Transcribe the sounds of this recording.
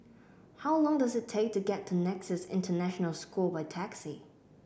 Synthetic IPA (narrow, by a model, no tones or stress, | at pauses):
haʊlɔ̃ŋdʌzɨtʰeɪk̚tʰuɡɛtʰənɛksɪsɪ̰̃ntʰənæʃənəlˠskʰɔbaɪtʰæksi